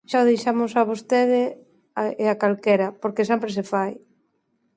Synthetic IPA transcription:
ʃaðejʃamʊsaβost̪eðɪ | eakalkɛɾɐpoɾkes̬ɛmpɾes̬efaj

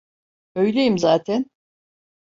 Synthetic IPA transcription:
ø̞jlʲejimzaːt̪ʰɛn

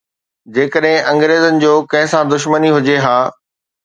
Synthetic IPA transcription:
d͡ʑeːkəɗɦɪ̃ʔɐ̃ŋɡɾeːzənɪ̆d͡ʑoːkɐ̃ɦɪ̃sãd̪ʊʃ̬məniɦʊd͡ʑeɦaː

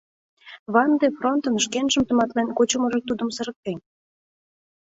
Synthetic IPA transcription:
βɑnd̪efront̪ənəʃkenʒə̆mt̪ə̆mɑt̪lenʲkot͡ɕumɤ̆ʒet̪ud̪ə̆msə̆ɾə̆k̚t̪enʲ

